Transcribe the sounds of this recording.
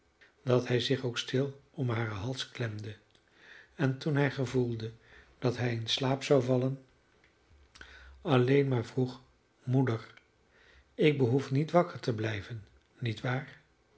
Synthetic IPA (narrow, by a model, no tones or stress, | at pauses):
d̥ɑtɦɛjzɪχowkstɪlˠɔmɦaːrəɦɑlˠsklɛmdə | ɛntunɦɛjχəvulˠdəd̥ɑtɦɛjɪnslaːpsawvɑlən | ɑlejnmaːɹvruχ | mudəɹ | ɪk̚bəɦufnitʋɑkəɹtəblɛjvənː | itʋaːɹ